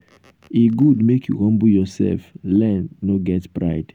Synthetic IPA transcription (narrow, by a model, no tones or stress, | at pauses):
eɡudmekʰjuhʌ̃mbujɔsɛ̰lflɛ̃nːoɡɛtpɹa̰ɪd̥